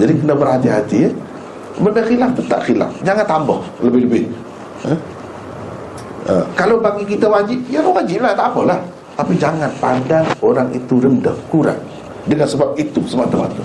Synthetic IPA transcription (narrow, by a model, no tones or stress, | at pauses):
d͡ʒadikənabərhat̪iɦat̪i | bəndəxilak̚t̪ət̪a̰ʔxila̰k̚d͡ʒaŋant̪ambɔ̰hləbɪhləbɪ | ə | ə̰kalobaŋikit̪awad͡ʒɪp̚jalawad͡ʒɪp̚laht̪apəlah | t̪apid͡ʒaŋanpadaŋoɾaŋḭt̪uɾəndəhkuɾa̰ŋ̚ | dəŋansəbap̚it̪usəbap̚t̪əma̰t̪u